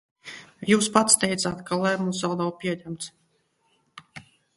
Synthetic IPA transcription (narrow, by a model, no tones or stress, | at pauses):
juːspat̪st̪ɛjt̪saːt̪kalˠɛmusawd̪awpʲiɛɲæmt̪s